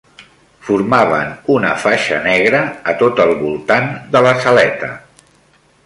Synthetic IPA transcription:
fuɾmaβə̰nunəfaʃə̰nɛɣɾəːt̪ot̪əlˠβulˠt̪and̪ələsəlɛt̪ə

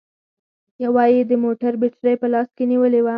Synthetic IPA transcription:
jawɑjid̪əmoʈaɾbɪʈɾəjpəlɑskeniwəlewa

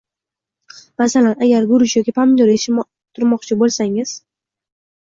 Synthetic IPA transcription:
masalanaɡʲaɾɡʊɾʊʃjɒkʲipʰamd̪oɾeʃ | t̪ʰʊɾmɒqt͡ʃʰɪbolsaŋɪz̥

